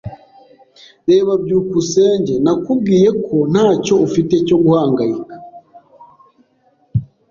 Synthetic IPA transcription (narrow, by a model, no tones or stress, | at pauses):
ɾe̞ːβabɟuːkuse̞ːɲɟe̞nakubɡiːje̞kʰo̞n̥haːco̞ufite̞co̞ɡuhaːŋɡajikḁ